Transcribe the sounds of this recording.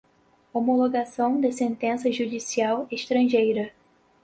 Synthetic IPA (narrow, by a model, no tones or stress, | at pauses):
omoloɡasɐ̃w̃d̪ɪsẽnt̪ẽsɐʒud͡ʒisiaweʃt̪ɾɐ̃ʒejɾɐ